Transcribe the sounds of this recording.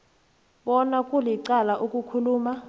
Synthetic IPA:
ɓɔnakʼuliǀalaʔukʼukʰuluːma

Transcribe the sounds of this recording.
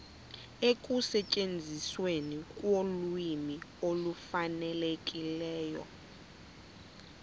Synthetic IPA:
ek̬ʼusɛcʼend͡zʱiswenikʼwolimiolufanɛlekʼilɛːjɔ̰

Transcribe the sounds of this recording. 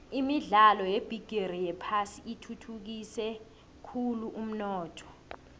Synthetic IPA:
imiɮalɔjeb̥ʱiɡ̥ʱerijɛpʰasiitʰutʰuk̬isɛ | kʰuluʔum̩nɔːtʰɔ̥

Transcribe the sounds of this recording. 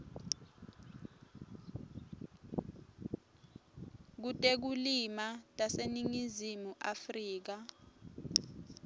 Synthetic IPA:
k̬utʼek̬ulimatʼaseniŋizimuʔafriːk̬a

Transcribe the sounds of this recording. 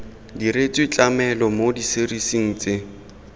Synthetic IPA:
diɾet͡sʼwɪt͡ɬʼamɛlɔmodiserisiŋ̩t͡sʼɪ

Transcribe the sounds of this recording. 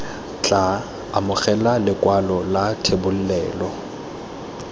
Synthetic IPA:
t͡ɬʼa | amʊχɛlalɪkʼwalɔlatʰebʊl̩lɛːlɔ

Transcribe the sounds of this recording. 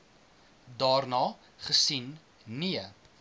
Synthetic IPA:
dɑːrnɑː | χəsin | niə

